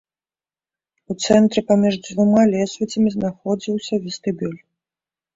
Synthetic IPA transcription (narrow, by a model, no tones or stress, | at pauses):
ut̪sɛnt̪ɾɨpamʲiʐd͡zʲvumalʲɛsvʲit͡sʲɐmʲiznaxɔd͡zʲiwsʲɐvʲist̪ɨbʲulʲ